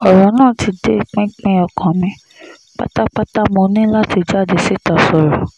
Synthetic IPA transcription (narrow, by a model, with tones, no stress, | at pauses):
ɔ˨ɾɔ˨˦nãː˦˨ti˧de˦˨k͡pĩ˦k͡pɛ̃˧ɔ˧˨kã˨mĩ˧ | k͡pa̰˦ta˦k͡pa˦ta˦mo˧nĩ˦la˦ti˧d͡ʒa˦˨de˧˨si˦˨ta˨sɔ˨ɾɔ˨